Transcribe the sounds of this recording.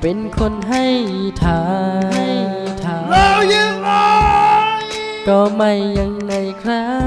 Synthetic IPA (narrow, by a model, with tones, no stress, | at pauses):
pe˨˦nkʰo˧˥˧nɦa˥˩jt̪ʰaː˨˦a˩jt̪ʰaː˨˦a˧ja˧ŋa˧ | k̪ɔː˧ma˧˩jːa˧ŋːa˧˩jkʰɾa˦˥